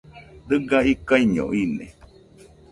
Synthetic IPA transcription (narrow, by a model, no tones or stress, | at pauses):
d̪ɨɡaikaiɲõ̰inḛ̃